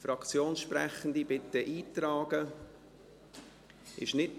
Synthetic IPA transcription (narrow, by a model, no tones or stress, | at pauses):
fɾɑkt͡sjoːnʃpɾɛ̰χən̩dibɪt̪ːəʔiːtɾɑːɡ̥ə | ɪ̰ʃnɪt̚